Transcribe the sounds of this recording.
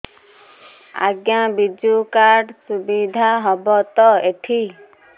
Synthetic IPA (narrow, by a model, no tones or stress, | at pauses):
a̰ɡjãbid͡ʒukaɾɖsubid̪ʱaɦɔbɔt̪ɔeʈʰi